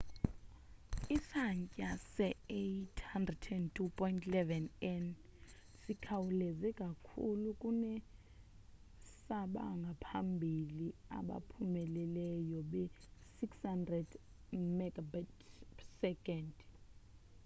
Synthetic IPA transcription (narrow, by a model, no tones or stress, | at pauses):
isaɲcʼasɛejtʰhandrɛtʰɛntʰupʰʼɔintʼlɛvɛnɛnsikʰawulɛzɛkʼakʰulukʼunɛ | saɓaŋɡʱapʰambʱilia̰ɓa̰pʰumɛlɛlɛjɔɓɛsikshandrɛd | mɛɡabatsɛkʼɛnd